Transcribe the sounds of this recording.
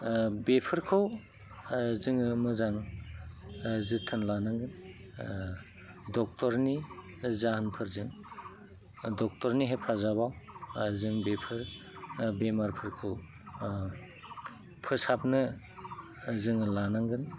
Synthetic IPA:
bepʰɯɾkʰow | zɯŋɯmɯzaŋ | zitʰɯnlanaŋɡɯn | dɔk̚tɔɾni | zaɦanpʰɯɾzɯŋ | dɔk̚tɔɾniɦepʰazabawzɯŋbepʰɯɾ | bemaɾpʰɯɾkʰɯw | pʰɯsapnɯ | zɯŋlanaŋɡɯn

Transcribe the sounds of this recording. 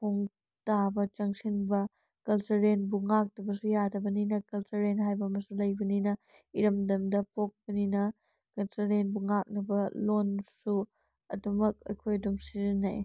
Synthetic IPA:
pʰoŋ | tabɐt͡ʃɐŋsʰinbɐ | kɐlsɐɾenbuŋak̚tɐbɐsujadɐbɐninɐkɐlsɐɾenɦajbɐmɐsulɐjbɐninɐ | iɾɐmdɐmdɐpok̚bɐninɐ | kɐlsɐɾenbuŋak̚nɐbɐlonsu | ɐ̰dɐmɐk̚ɐ̰kʰojdumsizinːa̰j

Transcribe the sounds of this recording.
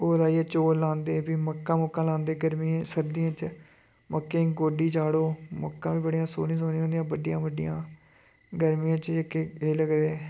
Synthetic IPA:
oːlaːiːɛːt͡ʃoːlãːnd̪eːbiːməkːãːmokːãːlãːnd̪eːɡəɾmiːẽːsəɾd̪ijãːt͡ʃ | məkːẽːɡoːɖiːt͡ʃaːɽoːmokːãːʋiːbəɽijãːso̰ːnĩːsoːnĩːõːnd̪ijãːbəɖɪjãːbəɖɪ̰jã̰ː | ɡəɾmijãːt͡ʃəkeːeːləɡd̪eː

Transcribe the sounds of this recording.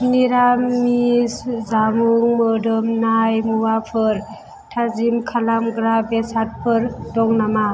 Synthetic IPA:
niɾammiszamuŋmɯdɯmnajmuwapʰɯɾ | tʰazimkʰalamɡɾabesat̚pʰɯɾdɔŋnama

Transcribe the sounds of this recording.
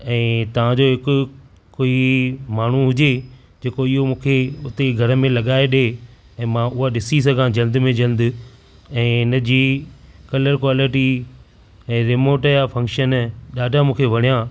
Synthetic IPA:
ɛ̃ːt̪ɐʋ̤ãd͡ʑoːɦɪkʊ̆ | koːimaːɳ̤uɦʊd͡ʑe | d͡ʑeːkoɪɦomũːkʰeʊt̪eɡʱɐɾəmẽlɐɠaːeɗe | ɛ̃ːmãʊɦaɗɪsis̬ɐɡʱãd͡ʑɐ̃ld̪mẽd͡ʑɐ̃ld̪ɪ | ɛ̃ːɪnəd͡ʑiːkɐləɾkwaːlɪʈi | ɛ̃ːɾɪmoːʈjafʰɐ̃ŋkʃənɗaːɖʱamũːkʰeʋɐɽ̤̃ijã

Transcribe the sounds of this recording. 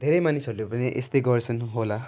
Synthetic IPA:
d̪ʱeɾʌjmanisʌɾlepʌniʔḛst̪ʌjɡʌrt͡sʰʌnɦola

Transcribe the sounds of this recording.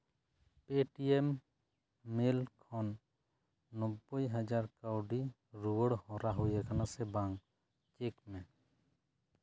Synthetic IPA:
peʈiemː | elkʰɔnː | ɔbːɔjɦad͡ʒaɾkawɖi | ɾuwəɽhɔɾaɦujɛkʰanasɛbaŋ | t͡ʃekmɛ

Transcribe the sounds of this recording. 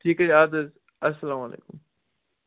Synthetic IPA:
ʈʰiːkɐaːd̪əz | ɐsːɐlaːmɐlḛːkʊm

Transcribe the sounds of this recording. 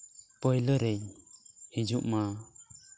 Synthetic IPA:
pɔjləɾɛjhid͡ʒuʔma

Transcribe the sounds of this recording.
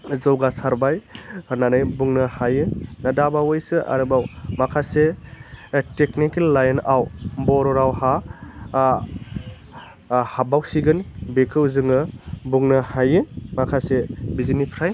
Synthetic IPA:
zɔwɡasaɾbajhɯnanɯjbuŋnɯhajɯnadabawɔjsɯʔa̰ɾɯbawmakʰase | teknikelːajnawbɔɾɔɾawha | habawsiɡɯnbekʰɯwzɯŋɯbuŋnɯhajɯmakʰasebizinipʰɾaj

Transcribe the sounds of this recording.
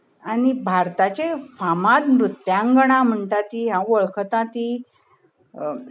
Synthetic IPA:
añibʱaɾt̪at͡ɕefamat̪mɾut̪ːjãŋɡəɽ̃ãm̤əɳt̪at̪iɦãʋəɭkʰət̪ãt̪i

